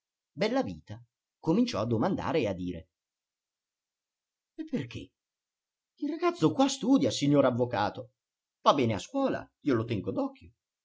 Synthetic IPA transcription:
bɛlːaviːt̪a | komint͡ʃɔ̰ad̪ːomand̪a̰ːɾead̪ːiːɾḛ | epːerk̟ʰḛ | ilraɡat̪sokwast̪uːd̪jasiɲːoːɾavːokaːt̪o | v̥abːɛːneaskwɔːla̰ | iːolot̪ɛŋɡod̪ɔkʰːjo

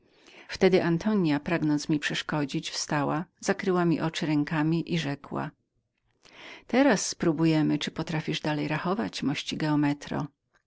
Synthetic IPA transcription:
ft̪ɛd̪ɘʔant̪ʰɔɲjapɾaɡnɔnt̪smʲipʂɛʂkɔd͡ʑit͡ɕfst̪awaz̥akɾɘwamʲḭʔɔt͡ʂɘɾɛŋkamʲiʔiʐɛkwa̰ | t̪ɛɾasːpɾubujɛmɘt͡ʂɘpɔt̪ɾafʲiʐd̪alɛjɾaxɔvat͡ɕmɔɕt͡ɕiɡɛɔmɛt̪ɾɔ̰

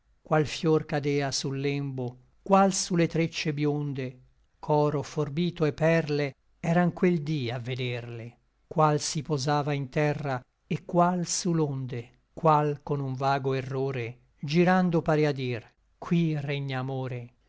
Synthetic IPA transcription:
kwalfjorkad̪ɛːasulːɛmbo | kwalsulet̪ɾet͡ʃːebjond̪e | kʰɔːɾoforbiːt̪oepːɛrle | ɛːɾaŋkweld̪iavːed̪ɛrle | kwalsipozaːvaint̪ɛrːa | ekːwalsulond̪e | kwalkonuɱvaːɡoerːoːɾe | d͡ʒiɾand̪opaɾead̪ir | kʰwireɲːaːmoːɾe

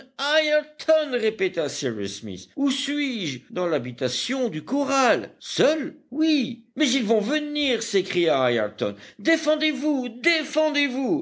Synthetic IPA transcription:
ajɛlt̪ʰɔnʁepet̪asiɹḭsmḭsusɥiʒd̪ɑ̃labit̪asjɔ̃d̪ykɔʁalsœlwimɛzilvɔ̃vəniʁsekχijaaja̰t̪ɔ̰nd̪efɑ̃d̪evud̪efɑ̃d̪evu

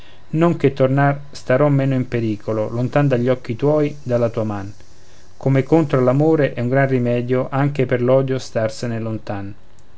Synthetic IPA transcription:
noŋket̪ːornar | st̪aɾɔmːeːnoimpeɾiːkololont̪and̪aʎːɔkːit̪wɔːjd̪alːat̪uːaman | komekont̪ɾolamoːɾeʔɛuŋɡɾanrimɛːd̪joʔaŋk̟eperlɔːd̪jost̪arsenelont̪an

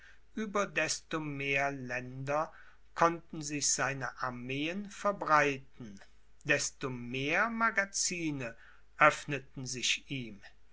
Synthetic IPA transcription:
ʔyːbɐdɛstomeːɐlɛndɐ | kʰɔntn̩zɪçz̥aɪnəʔaɐmeːənfɛɐbʁaɪtn̩ | dɛstomeːɐmaɡat͡siːnə | ʔœfnətn̩zɪʃʔiːm

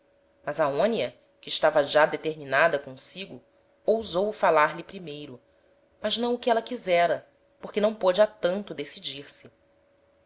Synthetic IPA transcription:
mɐzɐõniɐ | kɪːʃt̪avɐʒad̪et̪eɾminad̪ɐkõsiɡʊ | owzowfalaɾlipɾimejɾʊ | mɐznɐ̃w̃ʊkɪɛlɐkizɛɾɐ | poχkɪnɐ̃w̃pod͡ʒɪat̪ɐ̃nt̪ʊd̪esid͡ʒiɾsɪ

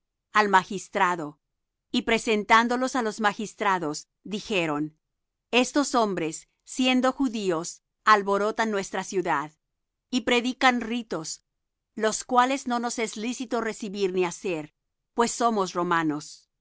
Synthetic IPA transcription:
almaxist̪ɾaðo̞ | ipɾe̞se̞nt̪and̪o̞lo̞salo̞zmaxist̪ɾaðos | d̪ixeɾo̞n | e̞st̪o̞so̞mbɾesː | je̞nd̪o̞xuðios | alβo̞ɾo̞t̪anːwe̞st̪ɾasjuðað | ipɾe̞ðikanrit̪o̞s | lo̞skwale̞zno̞no̞seslisit̪ore̞siβiɾniase̞ɾ | pwesːo̞mosro̞mano̞s

